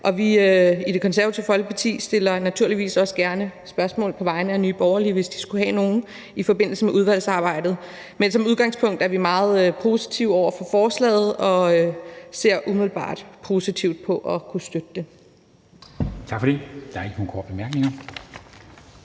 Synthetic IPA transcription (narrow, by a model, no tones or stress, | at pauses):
ʔɒ̽ʋiøid̥e̝kʰɒ̽nsæɐæt͡sʰiʊəfɒ̽lɡ̥ə̥pʰɑ̈t͡sʰḭːsd̥e̝lɐnæt͡sʰuɐ̰liʋḭːsɒ̽sɡ̥æɐnəsb̥ɶɐsmɔ̰ːl̩ˠpʰɒ̽ʋɑ̈ɪnəænyːb̥ɒʊɐliʋe̝sd̥isɡ̥uhɛno̝ːn̩ | ifɒ̽be̝n̰l̩səmeʔuð̞ˠʋæl̰sɑ̈ːb̥ɑ̈ɪ̰d̥ð̩ˠ | mensɒ̽muð̞ˠɡ̥ɑ̈ŋspʰɔ̽ŋ̰d̥æɐʋimɑ̈ːð̞̩ˠøpʰo̝ːsi̥t͡sʰiʊ̰ɒʊ̰ɐfɒ̽fɒːslɛ̰ːð̞̩ˠɒ̽øse̝ɐ̰ʔumiðˠl̩ˠb̥ɑ̰̈ːd̥pʰo̝ːsit͡sʰiʊd̥̚pʰɒ̽ʔɒ̽kʰusd̥ød̥əd̥e̝ | t͡sʰɑ̈ɡ̥fɒd̥e̝d̥ɑ̈ɐe̝ɡ̥ənuːkʰɒ̰ːd̥̚b̥emæɐɡ̥ne̝ŋɐ